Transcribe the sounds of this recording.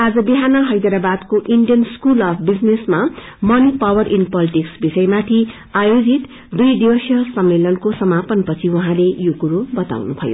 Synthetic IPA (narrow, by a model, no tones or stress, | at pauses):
ad͡zʌbiɦanʌɦʌjd̪aɾabad̪koʔiɳɖijʌnskulʌpʰbid͡znesma | mʌnipawʌrʔinpʌliʈiksbisʌjmat̪ʰi | ajod͡zit̪ | d̪ujd̪ibʌsjʌsʌmːelʌnkosʌmapʌnpʌt͡sʰiuɦãlejokuɾobʌt̪a̰wnup̪ʰʌjo̰